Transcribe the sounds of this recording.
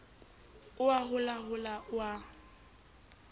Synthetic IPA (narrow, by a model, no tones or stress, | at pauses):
ʊaɦʊlaɦʊlaʊa